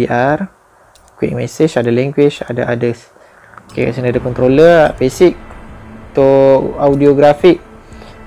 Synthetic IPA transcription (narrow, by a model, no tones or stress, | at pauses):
iʔar | kwḭk̚mɛsət͡ʃadalɛ̃ŋɡwit͡ʃa̰da̰ʔadəs | okeka̰ʔsinaadakɔnt̪ɾoləbesik̚t̪ɔawdioɡɾafik̚